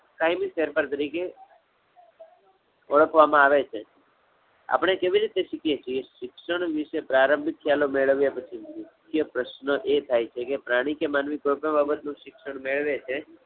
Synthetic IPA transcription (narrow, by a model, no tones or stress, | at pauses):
kaːjmiseɾpəɾt̪əɾike | ɔɭəkʰʋamãaːʋet͡ʃʰe | a̰pɳ̃ekeːʋiɾit̪eʃɪkʰijet͡ʃʰieʃɪkʃəɳ̃ʋɪʃepɾaːɾə̃mbʱɪt̪̚kʰjalomeɭəʋjepət͡ʃʰimɪtʰː | jəpɾəʃnəʔet̪ʰaːjt͡ʃʰekepɾaːɽ̃ikemaːnʋikoɾpẽbaːbət̪nũʃɪkʃəɳ̃meɭʋet͡ʃʰe